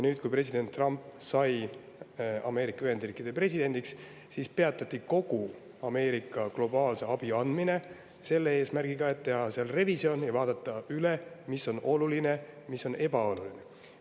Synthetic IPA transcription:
jnyːd̪̚kujpre̞sid̪̥e̞nt̪ːˑrɑmpːsɑj | ɑme̞ːɾikːˑɑyɦe̞nd̪riːkːˑid̪epre̞sid̪e̞nd̪̥iks | sispe̞ɑt̪ːˑɑt̪ʲːˑiko̞ɡ̥u | ɑme̞ːɾikːˑɑklo̞bɑːlse̞ɑb̥iɑnd̪mine̞ | se̞lːee̞ːsmærɡ̥iɡ̥ɑe̞t̪ːe̞ɦɑseɑlre̞visio̞njɑvɑːd̪ɑt̪ːˑɑylemisːo̞nʔo̞luline̞misːo̞ne̞bɑo̞luline̞

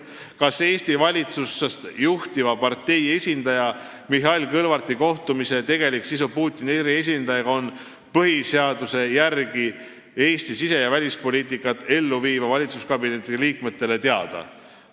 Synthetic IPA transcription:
kɑse̞ːst̪ivɑlʲit̪susːest̪juht̪ivɑpɑrt̪ːe̞je̞sʲind̪ɑjɑ | miɦɑlʲkɤlvɑrt̪iko̞ht̪umise̞t̪e̞ɡ̥e̞liksisupuːt̪ʲːˑineɾie̞s̬ʲind̪̥ɑjɑɡɑo̞n | pɤɦiseɑd̪use̞jærɡi | e̞ːst̪isise̞jɑvælʲispo̞lʲiːt̪ːˑikːˑɑt̪ːˑe̞lːuviːvɑvɑlʲit̪suskɑbine̞t̪ːˑiliːkme̞t̪ːe̞le̞t̪eɑd̪̥ɑ̰

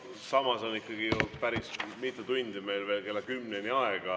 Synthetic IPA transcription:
sɑmɑso̞nikːˑɑɡ̥iod̪̥̚pæɾismit̪ːˑet̪unʲd̪imejlve̞ːlke̞lːɑkymnenʲiɑeɡ̥ɑ

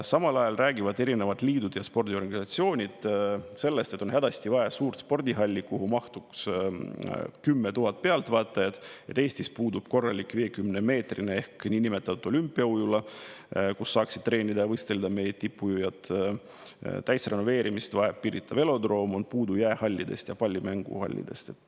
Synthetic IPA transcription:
sɑmɑlɑjɑlræːɡivɑd̪e̞ɾine̞vɑd̪liːd̪̥ud̪̥jɑspo̞rd̪ʲio̞rɡɑnisɑt̪sio̞ːnʲid̪̥se̞lːest̪e̞t̪ːo̞nɦæd̪ɑst̪ivɑesuːrt̪spo̞rd̪̥ʲiɦɑlʲːikuɦumɑht̪uks | kymːe̞t̪uɦɑt̪̚pe̞ɑlt̪vɑːt̪ːˑɑjɑd̪̥et̪ːe̞ːsʲt̪ispuːd̪ub̥ko̞rːɑlʲikːˑveːkymneme̞ːt̪rinee̞hkniːnime̞t̪ːˑɑt̪ut̪o̞lʲympːˑiɑujulɑ | kusːɑːksid̪̥̚t̪ːre̞ːnʲid̪ɑjɑvɤjst̪e̞ld̪ɑme̞jet̪ipːujujɑt̪ | t̪æjsre̞no̞ve̞ːɾimist̪vɑeppiɾit̪ʰːˑɑve̞lo̞d̪ro̞ːmonpuːd̪ujæehɑlʲːid̪e̞̰st̪jɑpɑlʲːimæŋɡ̥ṵhɑ̰lʲːḭd̪̥e̞̰st̪e̞t̪ːˑ

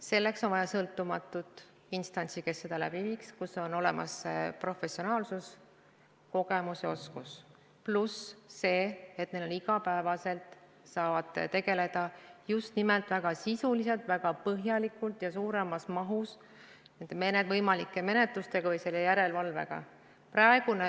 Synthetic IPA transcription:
se̞lːe̞kso̞nvɑjɑsɤlt̪ːˑumɑt̪ːˑut̪ˑ | inst̪ɑnʲt̪sike̞sːe̞d̪̥ɑlæb̥iviːkskuso̞no̞le̞mʔɑ̰sːpro̞fe̞sio̞nɑːlsus | ko̞ɡe̞musjɑo̞skus | plusːe̞ːet̪neloniɡɑpæevɑse̞lt̪ˑ | sɑːvɑd̪̥t̪e̞ɡe̞le̞d̪̥ɑjust̪nimelt̪ˑvæɡ̥ɑsisulise̞lt̪væɡɑpɤɦjɑlikˑult̪jɑsuːɾe̞mɑsmɑɦus | nend̪̥emenet̪vɤjmɑlikːˑe̞me̞ne̞t̪lust̪e̞ɡ̥ɑvɤjse̞lːejæɾe̞lvɑlve̞̰ɡ̥ɑ̰ | prɑe̞ɡ̥une

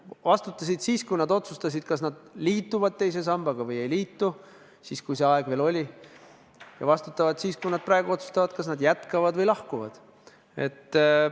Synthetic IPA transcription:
vɑst̪ut̪ːˑɑsid̪̥siːskujnɑd̪o̞t̪sust̪ɑsʲid̪̥kɑsnɑd̪̥liːt̪ːˑuvɑd̪̥̚t̪e̞js̬e̞sɑmb̥ɑɡ̥ɑvɤje̞jliːt̪ːu | siːskujse̞ɑe̞ɡ̥ve̞ːlo̞lʲi | jɑ̰vɑst̪ut̪ːˑɑvɑd̪̥siːskujnɑd̪̚pɾɑːeɡuo̞t̪su̥st̪ɑvɑd̪̥kɑsnɑd̪jæt̪ˑkɑvɑd̪vɤjlɑhkuvɑ̰d̪̥ | e̞̰t̪ː

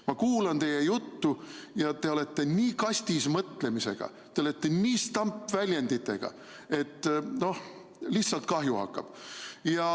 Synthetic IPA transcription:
mɑkuːlɑnt̪e̞je̞jut̪ːujɑt̪e̞o̞le̞t̪ːe̞niːkɑsʲt̪ismɤt̪le̞mise̞̰ɡ̥ɑ̰ | t̪e̞ole̞t̪ːe̞niːst̪ɑmpːvælʲjend̪it̪ːˑe̞̰ɡ̥ɑ̰ | e̞t̪ːno̞h | lihsɑlt̪̚kɑɦjuɑ̰kːˑɑ̰b̥jɑ

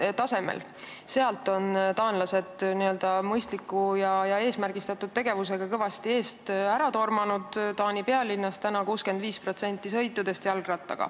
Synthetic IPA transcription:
t̪ɑse̞mḛl | seɑlt̪ːˑo̞nt̪ɑːnlɑse̞d̪niø̞ld̪̥ɑmɤjst̪likːˑujɑjɑe̞ːsmærɡ̥ist̪ɑt̪ːˑud̪̥̚t̪e̞ɡ̥e̞vus̬e̞ɡ̥ɑkɤvɑst̪ie̞ːst̪æɾɑt̪o̞rmɑnud̪̥t̪ɑːnʲipe̞ɑlinːɑst̪ænɑkuːske̞nd̪viːspro̞t̪se̞nʲt̪ˑːisɤ̞jt̪ːˑud̪̥e̞st̪jɑlɡrɑt̪ˑːɑ̰ɡ̥ɑ̰

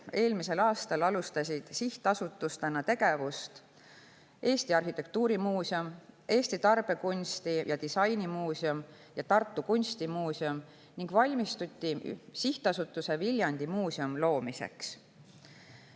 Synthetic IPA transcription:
e̞ːlmise̞lɑːst̪ɑlɑlust̪ɑsid̪̥siht̪ɑsut̪ːˑust̪enɑt̪e̞ɡe̞vust̪ | ʔe̞ːst̪iɑrhit̪ːˑe̞k̚t̪uːɾimuːsiomʔe̞ːsʲt̪it̪ɑrb̥e̞kunʲst̪ijɑt̪isɑjnimuːsium | jɑt̪ɑrt̪ːˑukunʲst̪imuːsiom | niŋɡ̥vɑlʲmist̪ut̪ʲːisiht̪ɑsut̪ːˑuse̞vilʲjɑnd̪̥imuːsiomlo̞ːmise̞̰ks

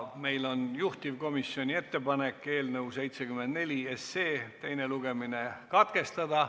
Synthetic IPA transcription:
me̞jlo̞njuht̪ivko̞misio̞nʲie̞t̪ːe̞pɑne̞kːˑe̞ːlnəwse̞jt̪se̞kymend̪ne̞lʲiesːeːt̪e̞jne̞luɡ̥e̞minekɑt̪ke̞st̪ɑd̪ɑ

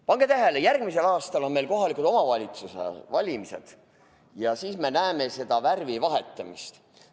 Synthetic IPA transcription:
pɑŋɡ̥e̞t̪æɦe̞lejærɡ̥mise̞lɑːst̪ɑlo̞nme̞jlko̞ɦɑlʲikˑud̪o̞mɑvɑlʲit̪susḛvɑlʲimise̞̰d̪̥ | jɑsiːsme̞næeme̞se̞d̪̥ɑværvivɑɦe̞t̪ːˑɑmist̪

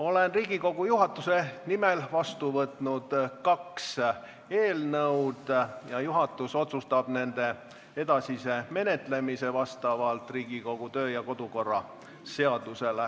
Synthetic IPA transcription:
o̞lenriːɡ̥iko̞ɡ̥ujuɦɑt̪ːˑuse̞nimelvɑst̪uvɤt̪ˑnud̪̥kɑks | e̞ːlnɤwd̪̥jɑjuɦɑt̪ːˑuso̞t̪sust̪ɑb̥ne̞nd̪̥e̞ | e̞d̪̥ɑsise̞me̞ne̞t̪ˑle̞mise̞vɑst̪ɑvɑlt̪ˑriːɡ̥iko̞ɡ̥ut̪ø̞ːjɑko̞d̪̥uko̞rːɑ̰ | se̞ɑd̪̥use̞le

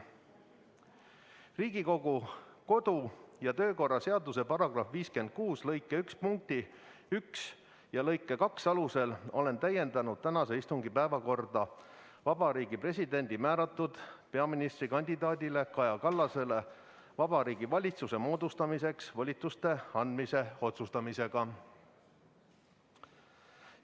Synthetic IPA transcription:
riːɡ̥iko̞ɡ̥uko̞d̪̥ujɑt̪ø̞ːko̞rːɑse̞ɑd̪use̞pɑɾɑɡ̥rɑfviːske̞nd̪̥̚kuːslɤ̞jkːˑe̞ykspuŋk̚t̪i | yks | jɑlɤ̞jkːˑe̞kɑksɑluse̞lo̞̰le̞nt̪æje̞nd̪ɑnud̪̥̚t̪ænɑse̞ist̪uŋɡipæevɑko̞rd̪̥ɑ | vɑb̥ɑɾiːɡipre̞sʲid̪e̞nʲd̪̥imæːɾɑt̪ːˑud̪̥pe̞ɑminist̪rikɑnʲd̪̥ʲid̪ɑːd̪ʲile̞kɑjɑkɑlːɑse̞le̞ | vɑb̥ɑɾiːɡivɑlʲit̪suse̞mo̞ːd̪̥ust̪ɑmise̞ksvolʲit̪ust̪e̞ɑnd̪mise̞o̞t̪sust̪ɑmise̞ɡ̥ɑ

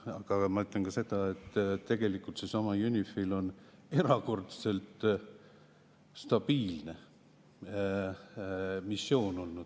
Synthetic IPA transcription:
ɑɡ̥ɑmɑyt̪ˑlenkɑse̞d̪̥ɑe̞t̪ːt̪ːe̞ɡ̥e̞likːˑult̪sesɑmɑjunʲifilo̞ne̞ɾɑko̞rt̪se̞lt̪ | st̪ɑb̥iːlne̞ | misːjo̞ːno̞lnud̪̥

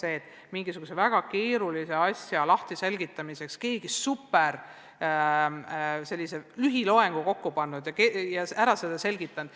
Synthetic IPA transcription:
se̞ːt̪ːˑ | miŋɡ̥isuɡusevæɡ̥ɑke̞ːɾulise̞ɑsʲjɑlɑht̪ise̞lɡit̪ːˑɑmise̞kske̞ːɡ̥isupːˑeɾ | se̞lːiselyɦilo̞e̞ŋɡ̥uko̞kːupɑnːud̪̥jɑkejɑæɾɑse̞d̪̥ɑse̞lɡ̥it̪ːˑɑnd̪̥

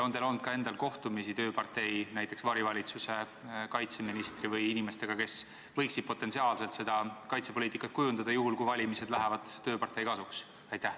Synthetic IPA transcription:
o̞nd̪elo̞nd̪̚kɑe̞nd̪̥ɑlko̞ht̪umisit̪ø̞ːpɑrt̪e̞jnæjt̪ːˑe̞ksvɑɾivɑlʲit̪suse̞ | kɑjt̪se̞minist̪rivɯjinime̞st̪e̞ɡ̥ɑke̞s | vɤjksid̥̪̚po̞t̪ːˑe̞nsiɑːlse̞lt̪se̞d̪̥ɑkɑjt̪se̞po̞liːt̪ːikːˑɑt̪̚kujund̪̥ɑd̪ɑjuɦulkujvɑlʲimise̞d̪læɦɛvɑd̪̥ːø̞ːpɑrt̪ːˑe̞jkɑsuks | ɑjt̪ːˑæh

